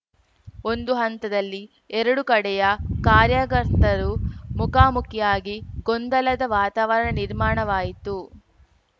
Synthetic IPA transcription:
o̞nd̪uɦɐnt̪ɐd̪ɐlːi | ɛɾɐɽukɐɽɛjɐkaːɾjaɡɐɾt̪ɐɾumukaːmukʰjaːɡiɡond̪ɐlɐd̪ɐʋaːt̪aːʋɐɾɐɳɐniɾmaːɳɐʋaːjit̪u

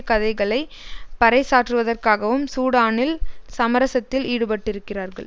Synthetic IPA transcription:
kɐðɐɪɣɐɭɐɪpɐɾɐɪsaːʈrɯʋɐðɐrkaːɣɐʋɯmsuːɽaːnɪlsɐmɐɾɐsɐt̪ːɪliːɽɯpɐʈːɪɾɯkːɪraːɾɣɐ̰ɭ

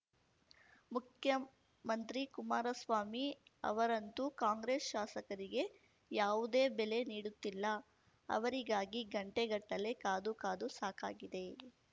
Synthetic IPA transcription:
mukʰjɐ | mɐnt̪ɾikumaːɾɐsʋaːmiɐ̰ʋɐɾɐnt̪ukaːŋɡɾeːsʃaːsɐkɐɾiɡe̞ | jaːʋud̪e̞ːbɛle̞niːɽut̪ːilːɐ | ɐ̰ʋɐɾiɡaːɡiɡɐɳʈeɡɐʈːɐle̞kaːd̪ukaːd̪usaːkaːɡid̪e̞

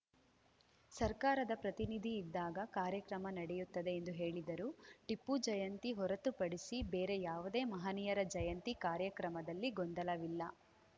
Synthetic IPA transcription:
sɐɾkaːɾɐd̪ɐpɾɐt̪inid̪ʱiːd̪ːaːɡɐkaːɾjɐkɾɐmɐnɐɽɛjut̪ːɐd̪e̞ːnd̪uɦeːɭid̪ɐɾuːʈipːud͡ʒɐjɐnt̪iɦɔɾɐt̪upɐɽisibe̞ːɾe̞jaːʋud̪e̞ːmɐɦɐnijɐɾɐd͡ʒɐjɐnt̪ikaːɾjɐkɾɐmɐd̪ɐlːiɡɔnd̪ɐlɐʋilːɐ

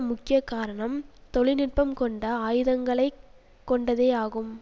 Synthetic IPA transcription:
mʊkːɪjɐkːaːɾɐɳɐmt̪ɔɭɪnɪʈ̚pɐmkɔɳɖɐaːjɯðɐŋɡɐɭɐɪ | kːɔɳɖɐðeːaːɣɯm

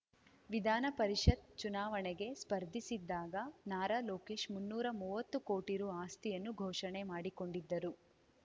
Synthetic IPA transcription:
ʋid̪ʱaːnɐpɐɾiʂɐt̪̚t͡ʃunaːʋɐɳɛɡe̞spɐɾd̪ʱisid̪ːaːɡɐnaːɾaːloːke̞ːʃmunːuːɾɐmuːʋɐt̪ːuko̞ːʈiɾuaːst̪ijɐnːuɡʱɔːʂɐɳemaːɽiko̞ɳɖid̪ːɐɾu

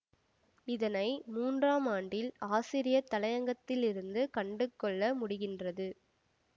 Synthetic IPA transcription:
ɪðɐnɐɪmuːndraːmaːɳɖɪlaːsiɾɪjɐt̪ːɐlɐjɐŋɡɐt̪ːɪlɪɾɯnd̪ɯkɐɳɖɯkːɔɭːɐmʊɽɪɣɪndrɐðɯ

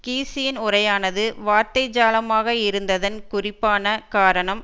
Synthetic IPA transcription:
kiːsɪjɪnʊrɐjaːnɐðɯʋaːɾt̪ɐɪd͡ʒaːlɐmaːɣɐɪɾɯnd̪ɐðɐnkʊrɪpːaːnɐkaːɾɐɳɐm

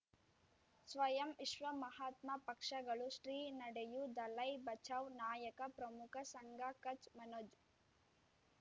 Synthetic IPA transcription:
sʋɐjɐmiʃʋɐmɐɦaːt̪mɐpɐkʂɐɡɐɭuʂɾiːnɐɽejud̪ɐlɐjbɐt͡ʃʰaːʋnaːjɐkɐpɾɐmukʰɐsɐŋɡakɐt͡ʃmɐnoːd͡ʒ

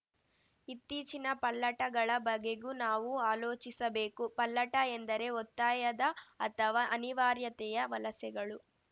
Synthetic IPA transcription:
it̪ːiːt͡ʃinɐpɐlːɐʈɐɡɐɭɐbɐɡeɡunaːʋuaːlo̞ːt͡ʃisɐbe̞ːkupɐlːɐʈɐend̪ɐɾe̞ɔt̪ːaːjɐd̪ɐɐt̪ʰɐʋaʔɐniʋaːɾjɐt̪ɛjɐʋɐlɐsɐɡɐɭu

